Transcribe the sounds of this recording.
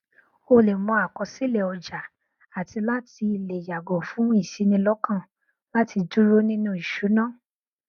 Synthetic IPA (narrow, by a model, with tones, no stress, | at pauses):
o˧le˨mɔ̃˧a˨kɔ˨˧si˦le˨ɔ˨d͡ʒa˨ | a˨ti˧la˦ti˧le˨ja˨ɡɔ˨fũ˨˦i˦˨si˨˧˦nĩ˧lɔ˦kã˦˨ | la˦ti˧du˦ɾo˦nĩ˦nũ˦˨i˨ʃu˨˦nãː˦˨